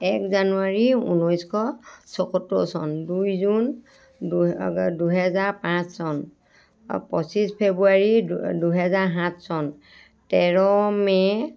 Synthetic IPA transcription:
ɛkzanuaɹiṵnɔjskʰɔsɔkɔtːɔ̰sɔ̰ndujzun | duɦɛzaɹpãssɔn | pɔsispʰebuaɹiduɦɛzaɹɦãtsɔn | tɛɹɔmɛ

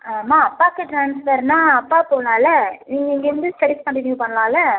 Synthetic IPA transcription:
aːmaːɐpːaːkːɯʈɾaːnsfɐɾnãːɐpːaːpoːnaːlɛniːŋɡɐɪŋɡɐɾɐnd̪ɯsɐɾɪskɐɳʈɪnjuːpɐɳːɐlãːlɐ

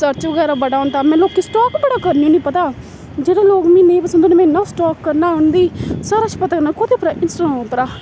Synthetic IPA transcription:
səɾt͡ʃʋəɡɛːɾaːbəɖaːʊ̃nd̪aːmɛ̃ːloːkːisʈɔːkbəɽaːkəɾniunĩːpət̪aː | d͡ʒeːɽãloːkmĩːnẽːpəsənd̪oneːmɛ̃nːãsʈɔːkːəɾnaːɦʊɳd̪iːsaːɾaːt͡ʃʰi̥pət̪aːkəɾnaːkoːt̪iːpɾaʔɪnsʈõːpəɾaː

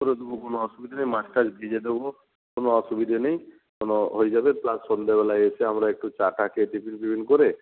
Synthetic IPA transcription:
ɔɾed̪ubukonoɔsubid̪ʱanej̃maʈʰkad͡ʒbʱid͡ʒed̪ebɔ | konɔɔsubid̪ʱanej̃ | konɔɦojd͡ʒabeplasːɔnd̪ebelaet͡ʃʰiɦamɾaek̚ʈut͡ʃaʈakeʈipʰinbibʱinkɔɾe

